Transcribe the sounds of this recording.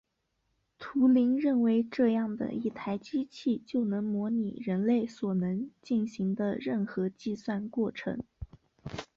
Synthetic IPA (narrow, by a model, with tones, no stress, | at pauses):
t̪ʰu˧˥li˧˥ŋɻə˥˩nwe˧˥ɪʈ͡ʂɤ˥˧jɑ˥˩ŋd̪ə̰˩i˥˩t̪ʰa˧˥ɪt͡ɕi˥t͡ɕʰi˥˧t͡ɕjo˥˩ʊnɤ˧˥ŋmwɔ˧˥ni˨˩ɻə˧˥nle˥˩ɪswɔ˨˩nɤ˧˥ŋt͡ɕi˥˩nɕi˧˥ŋd̪ə̰˧ɻə˥˩nxɤ˧˥t͡ɕi˥˧swa˥˧nkwɔ˥˩ʈ͡ʂʰɤ̰˧˥ŋ